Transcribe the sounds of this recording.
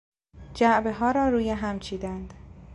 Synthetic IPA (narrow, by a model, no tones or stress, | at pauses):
d͡ʒæʔbe̞ɦɒːɾɒːɾuːjeɦæmt͡ʃʰiːd̪ænd̪̥